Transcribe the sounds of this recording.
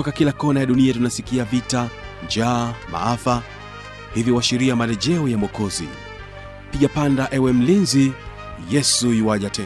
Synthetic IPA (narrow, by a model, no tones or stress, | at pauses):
ɔkakilakɔnajaɗuniatunasikiavita | nd͡ʒaːma̰afa | hivjiwaʃiɾiamalɛʄɛujamɔkɔzḭ | piʄapandaʔɛwɛm̩linzi | jɛsuiwaʄatɛ